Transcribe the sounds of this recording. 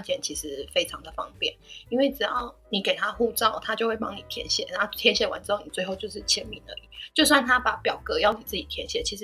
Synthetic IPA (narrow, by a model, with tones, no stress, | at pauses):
t͡ɕjɛ˨˩nt͡ɕʰi˧˥ʂɻ̩˧˥fe˥ɪʈ͡ʂʰɑ˨˦ŋd̪ə˨fɑ̰˦ŋpjɛ̰˥˨˩ni˥nwe˥˩ɪʈ͡ʂɻ̩˨˩jɑ˥˩ʊni˨˩ke˨˩ɪt̪ʰa˦˥xu˥˧t͡sɑ˥˨ʊt̪ʰa˥t͡ɕjo˥˧ʊxwe˥˩ɪpɑ̰˥ŋni˨˩t̪ʰjɛ̰˧˥nɕjɛ̰˨˩na˨˥t̪ʰjɛ˧˥nɕjɛ˨˩wa̰˧˦nʈ͡ʂɻ̩˥xo˥˩ʊni˨˩t͡swe˥ɪxo˥ʊt͡ɕo˥˧ʊʂɻ̩˥˩t͡ɕʰjɛ˥nmḭ˨˩nə̰˧˦i˨˩˦t͡ɕjo˥˧ʊs̬wa˥˩nt̪ʰa˦pa˨˩pjɑ˨˩ʊkɤ˧˦jɑ˥˩ʊni˨˩t͡sɹ̩˥˩t͡ɕi˨˩t̪ʰjɛ̰˧˥nɕjɛ̰˨˩˦t͡ɕʰi˧˥ʂɻ̩˧